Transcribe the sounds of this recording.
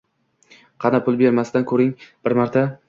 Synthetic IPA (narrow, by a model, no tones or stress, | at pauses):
qʰɑnapʰʊlˠbe̞ɾmast̪ankʰɵɾɪŋb̥ɪɾmaɾt̪ʰa